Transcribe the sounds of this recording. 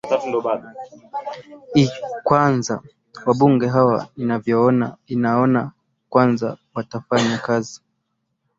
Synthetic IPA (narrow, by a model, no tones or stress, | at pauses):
aaɗ | ikwanza | waɓuŋɡɛɦawa̰ninavjɔɔna̰inaɔna | kwanzawatafaɲakazi